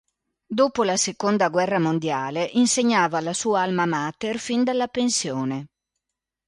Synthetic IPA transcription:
d̪oːpolasekond̪aɡwɛrːamond̪jaːleʔinseɲːaːvaːlːasuːaalmamaːt̪erfind̪alːapensjoːne

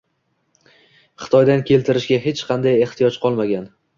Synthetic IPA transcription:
χɨ̥t̪ʰɒjd̪ankʲʰe̞lt̪ʰɪɾɪʃɡʲaɦet͡ʃqʰɑnd̪aje̞ht̪ʰɪjɒt͡ʃqʰɒlˠmaɡʲan

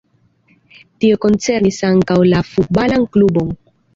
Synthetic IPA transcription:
tioko̞nt͡se̞ɾnisaŋkawlafut̚balanklubo̞n

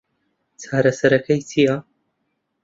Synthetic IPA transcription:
t͡sʰaːɾɐsɐɾɐkʰɐjtʰija

